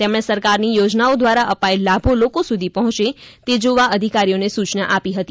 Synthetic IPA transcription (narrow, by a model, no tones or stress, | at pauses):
t̪emɽ̃esəɾkaɾnijod͡ʒnaod̪ʋaɾaʔəpaelːabʱolokosud̪ʱipəɦɔ̃t͡ʃet̪ed͡ʒoʋaəd̪ʱikaɾijonesut͡ʃna̰ʔapiɦət̪i